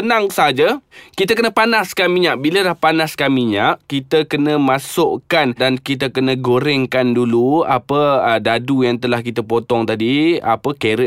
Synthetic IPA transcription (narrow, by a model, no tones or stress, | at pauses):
ənãŋsaɦad͡ʒakit̪əkənəpanaskamĩɲaʔbiləlahpanaskamiɲaʔkit̪əkənə̃masʊʔkandankit̪əkənə̃ɡoɾɛŋkandulua̰pəədadujaŋt̪əlahkit̪apot̪ɔŋt̪adia̰pəkeɾə